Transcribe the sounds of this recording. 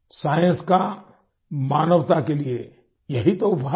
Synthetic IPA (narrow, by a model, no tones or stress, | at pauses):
saːjə̃nska | maːnəʋt̪akelie | jɐɦit̪oʊpa